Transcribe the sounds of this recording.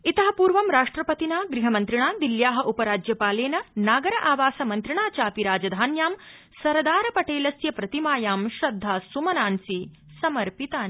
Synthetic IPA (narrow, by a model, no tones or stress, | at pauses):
it̪ɐɦɐpuːɾʋɐmɾaːʂʈɾɐpɐt̪inaːɡɾiɦɐmɐnt̪ɾiɳaːd̪iljaːɦɐ̆ʔupɐɾaːd͡ʒjɐpaːleːnɐnaːɡɐɾɐʔaːʋaːsɐmɐnt̪ɾiɳaːt͡ʃaːpiɾaːd͡ʒɐd̪ʱaːnjaːm | sɐɾd̪aːɾɐpɐʈeːlɐsjɐpɾɐt̪imaːjaːmʃɾɐd̪ʱːaːsumɐnaːnsi | sɐmɐɾpit̪aː